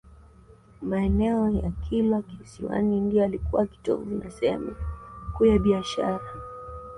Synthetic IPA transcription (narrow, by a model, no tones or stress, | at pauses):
maɛnɛɔjakʰilakihsiwa̰nindiɔalikuwaki̥tɔ̰vunasɛmakujaɓiaʃa̰ɾa